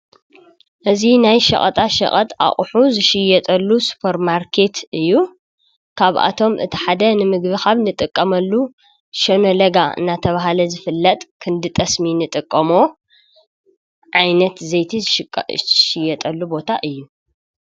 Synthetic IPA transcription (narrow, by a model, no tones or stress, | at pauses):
ʔɨzinajʃɐ̰χʼɐ̰t̪ʼaʃɐ̰χʼɐt̪ʼa̰χʼħuzɨʃɪjɛt̪ʼɐlːusu̥pʰɐɾmaɾkʰe̞t̪ʔɨjːu | kʰaβʔa̰t̪ʰo̞mʔɨ̰t̪ʰi̥ħad̪ɐnɨmɨɡβixaβnɨt̪ʼɨkʼːɐmɐlːu | ʃɐnolɐɡaɨ̰nːat̪ʰɐβaɦalɐzɨfɨlːɐt̪ʼkʰɨnd̪ɨt̪ʼɐsminɨt̪ʼɨkʼːɐmo | ʕajnɐt̪zɐjt̪ʰi | ʃɪjɐt̪ʼɐlːubo̞t̪ʰaʔɨjːu